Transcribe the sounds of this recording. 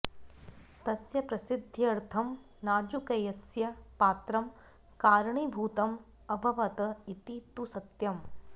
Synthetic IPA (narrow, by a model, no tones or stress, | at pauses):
t̪ɐsjɐpɾɐsɪd̪ʱːiɐɾt̪ʰɐm | naːd͡ʒukɐjɐsjɐpaːt̪ɾɐm | kaːɾɳibʱuːt̪ɐm | ɐbʱɐʋɐt̪ɐit̪it̪usɐt̪jɐm